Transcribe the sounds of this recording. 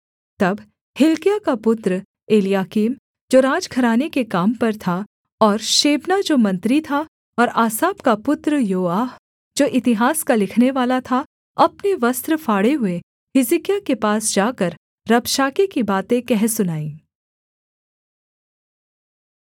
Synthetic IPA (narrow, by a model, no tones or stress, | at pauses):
t̪ɐb | hɪlkijakapʊt̪ɾə | eːlijaːkiːm | d͡ʒoːɾaːd͡ʒkʰɐɾaːnekekaːmpɐɾt̪ʰa | ɔːɾʃeːbnad͡ʒoːmɐ̃nt̪ɾit̪ʰa | ɔːɾaːsaːbkapʊt̪ɾəjoːaːɦ | d͡ʒoːʔɪt̪ɪɦaːskalɪkʰneʋaːlat̪ʰa | ɐpneʋɐst̪ɾəfʰaːɽeɦʊe | fɪzɪkijakepaːsd͡ʒaːkəɾː | ɐbʃaːkekibaːt̪ẽkɛɦsʊnaːĩː